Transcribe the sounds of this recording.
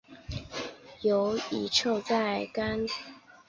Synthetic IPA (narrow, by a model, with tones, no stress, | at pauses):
jo˨˦ʊi˨˩ʈ͡ʂʰo˥˧ʊt͡sa˥˩ɪka˦n